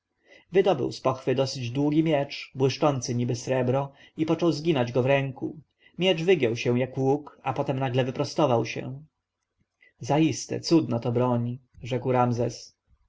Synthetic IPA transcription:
vɘd̪ɔbɘ̰wspɔxfɘd̪ɔsɘd͡ʑd̪wuɡʲimʲjɛt͡ʂbwɘʂt͡ʂɔnt̪sɘɲibɘsɾɛbɾɔ | ipɔt͡ʂɔwzɡʲinad͡ʑɡɔvɾɛŋku | mʲjɛʐvɘɡjɛwɕɛ̃w̃jakwukapɔt̪ɛmnaɡlɛvɘpɾɔst̪ɔvawɕɛ̰ | zaist̪ɛ̰t̪sud̪nat̪ɔbɾɔɲi | ʐɛkwɾamzɛs

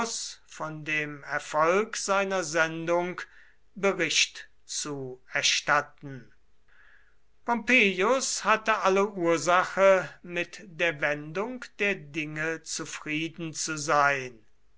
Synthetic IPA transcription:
sfɔndeːmɛɐfɔlkz̥aɪnɐzɛndʊŋk | bəʁɪʃt | t͡suɛɐʃtatn̩ | pɔmpeːjʊshatəʔaləʔuːɐzaxəmɪtd̥eːɐvɛndʊŋkd̥eːɐdɪŋət͡sufʁ̥iːdn̩t͡suzaɪn

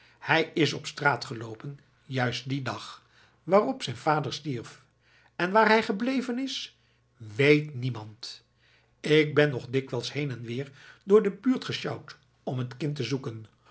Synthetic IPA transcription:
hɛjɪsɔpstraːtχəlowpən | jœɥst̚didɑχ | ʋaːrɔpsɛjnvaːdəɹstiɹf | ɛnʋaːɹɦɛjχəblejvənɪs | ʋejtnimɑnt | ɪk̚bɛnɔχdɪkʋɛlˠshejnɛnʋɪːɹdʊːɹdəbyːɹtχəʃɑwt | ɔmɦətkɪntəzukən

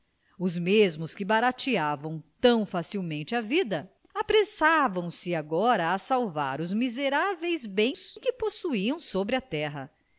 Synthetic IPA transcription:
ʊzmezmʊskɪbaɾat͡ʃiavɐ̃w̃t̪ɐ̃w̃fasiwmẽnt͡ʃɪavid̪ɐ | apɾesavɐ̃w̃sɪaɡɔɾɐːsawva̰ɾʊzmizeɾavejzbẽj̃skɪposuiɐ̃w̃sobɾɪɐt̪ɛɦɐ

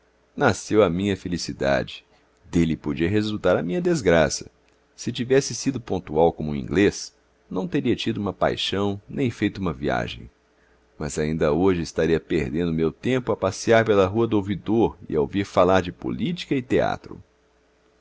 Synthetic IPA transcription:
nasewamĩɲɐfelisid̪a̰d͡ʒɪ̥ | d̪elɪpod͡ʒiɐɦezut̪aɾɐmĩɲɐd̪ezɡɾasɐ̥ | sɪt͡ʃivɛsɪsid̪ʊpõnt̪uawkõmʊũḭ̃ɡles | nɐ̃w̃t̪eɾiɐt͡ʃid̪ʊũmɐpa̰jʃɐ̃w̃nẽj̃fejt̪ʊũmɐvia̰ʒḛ̃j̃ | mɐzaĩnd̪ɐoʒɪɪst̪aɾiɐpeɾd̪ẽnd̪ʊmewt̪ẽmpʊapasiaɾpelɐɦuɐd̪ʊowvid̪oɾɪ̰ao̰viɾfalaɾd͡ʒɪpo̰lit͡ʃi̥kɐɪt̪ea̰t̪ɾʊ̰

